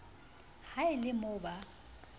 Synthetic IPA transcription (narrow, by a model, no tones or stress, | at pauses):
haɪlɪmʊba